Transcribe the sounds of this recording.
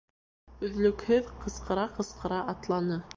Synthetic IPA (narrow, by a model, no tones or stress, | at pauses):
ɵ̆ðlɵ̆khɘðqɤ̆sqɤ̆ɾɑqɤ̆sqɤ̆ɾɑʔɑt̪lˠɑnɤ